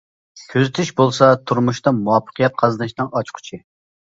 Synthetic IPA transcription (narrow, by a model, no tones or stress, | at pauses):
kʲʰøzɪt̪ʰyʃbolˠsɑt̪ʰuɾmuʃt̪ɑmuwɑpːə̥qʰijɛt̪̚qʰɑzɨnɨʃnɨŋɑt͡ʃqʰʊ̥t͡ʃʰɪ